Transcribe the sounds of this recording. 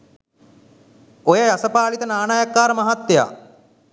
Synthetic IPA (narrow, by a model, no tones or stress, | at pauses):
ojəjɐsəpaːlit̪ənaːnaːjɐkːaːɾmɐɦat̪ːja̰ː